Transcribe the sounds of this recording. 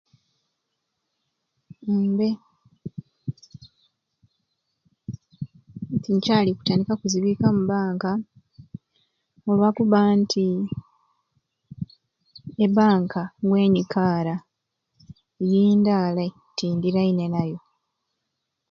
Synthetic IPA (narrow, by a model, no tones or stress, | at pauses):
be̞ | tiɲcaːliku̥taːndikakuziβiːkamuβaːŋka | olwakuβantʰi | eβaːŋkʰaɡwe̞ːɲikʰaːɾa | ejiːndaːla | tiːndiɾaine̞najo̞